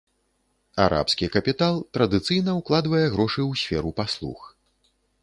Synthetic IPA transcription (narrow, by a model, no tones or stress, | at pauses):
a̰ɾʔa̰pskʲikɐpʲit̪alˠt̪ɾɐd̪ɨt̪sɨjnɐwklˠad̪vɐjɛɣɾɔʂɨwsʲfʲɛɾupaslˠṵx